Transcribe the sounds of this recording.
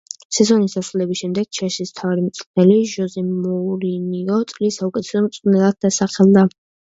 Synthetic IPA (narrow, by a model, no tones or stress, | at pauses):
sɛzɔnisd̪aslɛbisʃɛmd̪ɛɡ̥̚t͡ʃʰɛʃismt̪ʰavaɾimt̪sʼnɛliʒɔzɛmɔɾiniɔt̪sʼlisːaukʼɛt̪ʰɛ̥sɔmt̪sʼnɛlˠad̪̚d̪asaχɛlˠd̪a